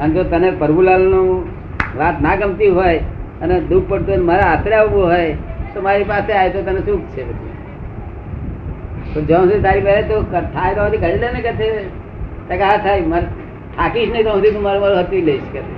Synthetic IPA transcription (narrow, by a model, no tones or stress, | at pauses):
ənet̪ot̪ənepəɾbulalnũ | ʋat̪naɡəmt̪iɦojəned̪uk̚ʰpəɽt̪unemaɾaəsɾjaʋʋoɦojt̪omaɾipaseajt̪ot̪ənesuk̚t͡ʃʰebət͡ʃʰḭ | pəɾd͡ʒə̃st̪it̪aɾimelet̪okəʈ̪ʰajt̪oaət̪ikəɾileneket̪ʰe | t̪akaɦat̪ʰajma | ʈʰakiʃnəĩd͡ʒə̃st̪it̪ũmaɾumaɾuɦət̪ʋileiʃket̪ʰe